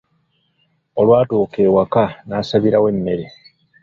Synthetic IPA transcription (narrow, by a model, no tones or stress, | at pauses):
o̞lwaːtuːke̞ːwakanaːsaβiɾawe̞mːe̞ɾe